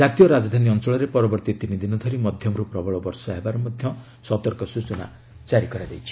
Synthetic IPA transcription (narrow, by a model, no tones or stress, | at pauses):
d͡ʒat̪ijɔɾad͡ʒɔd̪ʱaniɔnt͡ʃɔɭɔɾepɔɾɔbɔɾt̪it̪inid̪inɔd̪ʰʱɔɾimɔd̪ʱjɔmɔɾupɾɔbʱɔɭɔbɔɾsɔaebaɾɔmɔd̪ʱjɔ | sɔt̪ɔɾkɔsut͡ʃɔna̰ | t͡ʃaɾikɔɾad̪ejt͡ʃʰi̥